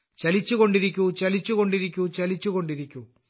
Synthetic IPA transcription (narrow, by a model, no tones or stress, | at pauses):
t͡ʃɐlit͡ʃːukoɳɖiɾikʲːut͡ʃɐlit͡ʃːukoɳɖiɾikʲːut͡ʃɐlit͡ʃːukoɳɖiɾikʲːu